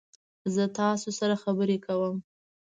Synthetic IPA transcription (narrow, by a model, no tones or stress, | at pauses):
zət̪ɑsosaɾaxabəɾekawəm